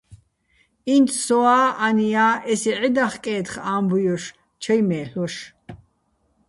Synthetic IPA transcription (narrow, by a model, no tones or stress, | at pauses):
int̪ʰsɔaːanijaːʔɛsiʕid̪aχkʼɛːt̪χaːmbujɔʃ | t͡ʃʰɐjmɛːɬɔʃ